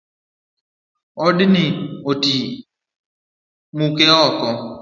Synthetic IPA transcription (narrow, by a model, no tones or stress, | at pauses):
ɔdinɪoti | mukeɔkɔ